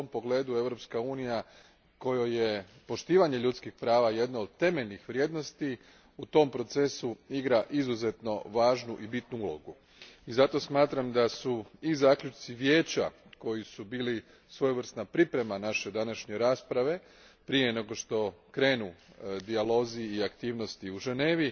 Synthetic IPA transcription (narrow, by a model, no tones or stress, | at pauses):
ompo̞ɡle̞ːd̪ue̞ʋɾo̞pskauːnija | ko̞joje̞po̞ʃt̪iːʋaɲe̞ʎut̪skixpɾaːʋaje̞d̪nood̪̚t̪e̞me̞ʎnixʋɾʲje̞ːd̪no̞st̪i | ut̪o̞mpɾo̞t̪se̞suiɡɾaʔizuze̞t̪no̞ʋaːʒnuʔibit̪nuulˠo̞̰ɡu | izat̪o̞smaːt̪ɾamd̪asuizaːkʎʲut͡ʃt̪siʋje̞ːt͡ɕako̞jisubiːli | sʋo̞juʋr̩st̪napɾipɾe̞manaʃe̞d̪anaʃɲe̞ɾaːspɾaʋe̞ | pɾijene̞ɡo̞ʃt̪o̞kɾe̞ːnud̪ialo̞ziːakt̪iːʋno̞st̪iuʒene̞ːʋi